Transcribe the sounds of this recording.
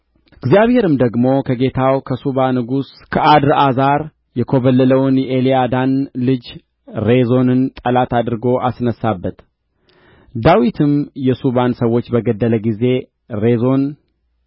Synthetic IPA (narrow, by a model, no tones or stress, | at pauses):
ɨɡzijaβhe̞ɾɨmd̪əɡmo̞kʰəɡe̞t̪ʰawkʰəsuβanɨɡus | kʰəʔad̪ɾazaɾ | jɛkʰo̞βəlːələwnjɛʔeliad̪anlɨd͡ʒ | ɾe̞zo̞nɨnt̪ʼəlat̪ad̪ɾɨɡo̞ʔasnəsːabːət̪ | d̪awit̪ʰɨmjɛsuβansəwːo̞t͡ʃːbəɡəd̪ːələɡize̞ | ɾe̞zo̞n